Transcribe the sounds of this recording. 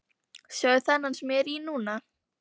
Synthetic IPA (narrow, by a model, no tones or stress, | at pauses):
sjœɥθɛnːansmjɛɾinuːna